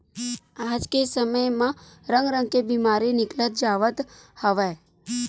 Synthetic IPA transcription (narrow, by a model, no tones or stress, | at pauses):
ad͡ʒkesəməjmãɾə̃ŋɡɾə̃ŋɡkebimaɾinɪklət̪̚d͡ʒaʋət̪həʋe